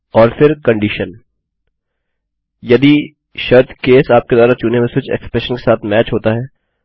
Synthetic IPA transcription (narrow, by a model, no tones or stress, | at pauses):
ɔːɾfɪɾkɐ̃ɳɖiʃən | jɐd̪i | ʃɐɾt̪ʰkeːsaːp̚ked̪ɔːɾat͡ʃuːnemẽsʊt͡ʃɛ̰kspɾɛʃənkesaːt̪ʰmɛːt͡ʃɦoːt̪aɦɛː